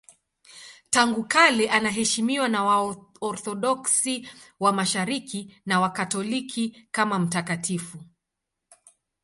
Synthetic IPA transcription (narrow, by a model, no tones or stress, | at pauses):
taŋɡukalɛʔanaɦɛʃimiwanawa | ɔɾθɔɗɔksiwamaʃaɾikinawakatɔlikʰikamam̩takatifu